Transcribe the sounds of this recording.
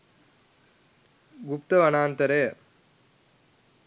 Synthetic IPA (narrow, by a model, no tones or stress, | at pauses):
ɡupt̪ɐʋɐnaːnt̪ɐɾejɐ